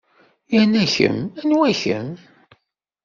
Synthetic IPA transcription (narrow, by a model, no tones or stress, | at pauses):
jænæçə̰mænwæçə̰m